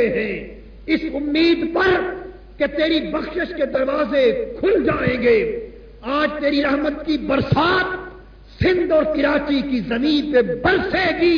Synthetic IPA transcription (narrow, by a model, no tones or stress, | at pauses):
eɦɛ̃ | ɪsʊmːiːd̪pɐɾ | ket̪eːɾibɐxʃɪʃked̪ɐɾʋaːzekʰʊld͡ʒaːẽːɡeː | aːd͡ʒt̪eːɾiɾɐɦmət̪kibɐɾsaːt̪ | sɪ̃nd̪ɔːɾkɪɾaːt͡ʃikizɐmĩːnt̪ebɐɾseɡiː